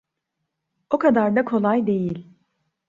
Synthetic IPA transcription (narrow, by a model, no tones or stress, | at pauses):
o̞kʰad̪aɾd̪akʰo̞lˠajd̪e̞jilʲ